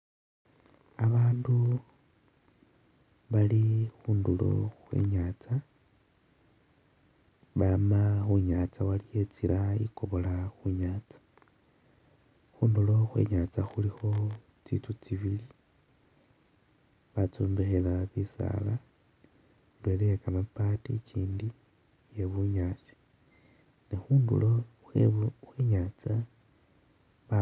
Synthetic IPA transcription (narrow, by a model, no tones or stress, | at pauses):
aβaːndu | βalixuːndulo̞̰xwe̞̰ɲaːt͡sa | βamaxuɲaːt͡sawalije̞t͡siɾaḭko̞βo̞laxuɲaːt͡sḁ | xuːndulo̞xwe̞̰ɲat͡saxulixo̞ | t͡sit͡sut͡siβili | βat͡suːmbexelaβisa̰la | dwelejakamapaticiːndi | je̞βuɲaːt͡si̥ | nexuːndṵlo | xexweɲaːt͡sa | βa